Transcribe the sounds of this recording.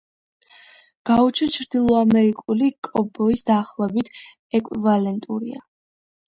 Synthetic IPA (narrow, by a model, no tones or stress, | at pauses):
ɡ̥aut͡ʃʰɛt͡ʃʰɾd̪ilˠɔamɛɾikʼulikʼɔbɔisd̪aχlˠɛbit̪ʰ | ɛkʼivalɛnt̪ʼuɾḭa̰